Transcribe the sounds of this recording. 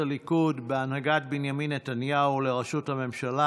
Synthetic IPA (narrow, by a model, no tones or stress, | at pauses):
alikudbeanhaɡatbinjaminːet̪anjaule̞ʁaʃuthame̞mʃala